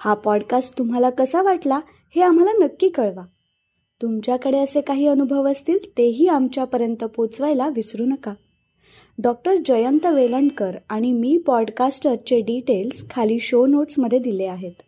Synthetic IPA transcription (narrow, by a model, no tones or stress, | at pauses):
hapɔɽkasʈt̪umɦalakəsaʋaʈla | heam̤alanəkːiːkəɭʋa | t̪umt͡ɕjakəɽeəsekaɦiːənubʱəʋəst̪iːlt̪eɦiːamt͡ɕjapəɾjənt̪əpot͡sʋajlaʋisɾuːnəka | ɖɔk̚ʈəɾd͡ʑəjənt̪əʋeləɳkəɾaɽ̃imiːpɔɽkasʈəɾt͡ɕeɖiʈelskʰaliːɕonoʈsməd̪ʱːjed̪ileaɦet̪